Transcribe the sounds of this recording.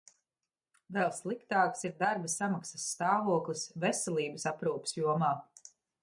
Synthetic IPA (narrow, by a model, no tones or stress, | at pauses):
vɛlˠslˠikt̪aːksiɾd̪aɾbəsamaksɐsːt̪aːvuɔklˠisvesɛlˠiːbəsapɾuːpsjuɔmaː